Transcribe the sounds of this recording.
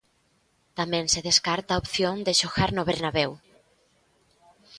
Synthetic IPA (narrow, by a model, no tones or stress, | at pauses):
t̪amɛ̃ŋseðeskaɾt̪aopθjond̪eʃoɣaɾnoβeɾnaβew